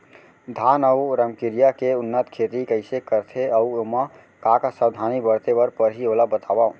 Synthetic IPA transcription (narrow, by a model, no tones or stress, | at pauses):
d̪ʱanəuɾəmkiɾijakeunːət̪kʰet̪ikəɪsekəɾt̪ʰeəuoma | kakasəbd̪ʱanibəɽt̪ebəɾpəɾɦiolabət̪aba